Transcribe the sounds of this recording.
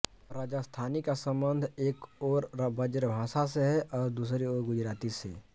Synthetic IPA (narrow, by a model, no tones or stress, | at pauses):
ɾaːd͡ʒast̪ʰaːnikasə̃mbə̃nd̪ʱeːkoːɾbəd͡ʒɾbʱãːsas̬eɦɛʔɔːɾd̪uːs̬ɾeoːɾɡʊd͡ʒɾaːt̪isḛ